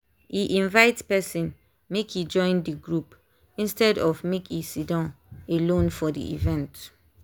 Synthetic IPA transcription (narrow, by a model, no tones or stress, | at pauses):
iʔĩnvaɪtspɛsĩn | mekʰid͡ʒɔ̃ɪ̃ndiɡɹup | ĩnstɛdɔvmekisidãʊ̃nelõnfɔdḭʔḭvɛ̃nt